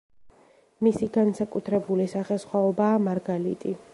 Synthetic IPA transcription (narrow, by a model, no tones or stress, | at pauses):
misiɡansakʼut̪ʰɾɛbulisaχɛsχwaɔbaːmaɾɡalḭt̪ʼi